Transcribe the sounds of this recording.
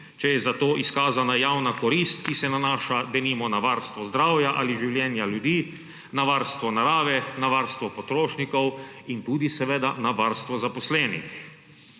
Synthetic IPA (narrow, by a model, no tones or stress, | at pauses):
t͡ʃɛjɛzat̪oːʔiskaːzanajaːwnakɔɾist̪kisɛnanaːʃad̪ɛnimɔnaʋaɾst̪ʋɔzd̪ɾaːwjaʔaliʒiwljɛːnjaljud̪iː | naʋaɾst̪ʋɔnaɾaːʋɛnaʋaːɾst̪ʋɔpɔt̪ɾoːʃnikɔwint̪uːd̪isɛʋeːd̪anaʋaɾst̪ʋɔzapɔslɛːnḭx